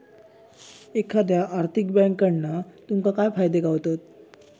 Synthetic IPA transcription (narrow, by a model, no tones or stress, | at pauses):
ekʰːad̪jaʔaɾt̪ʰikbɛ̃ŋkːəɽnat̪umkakajfajd̪eɡawt̪ot̪̚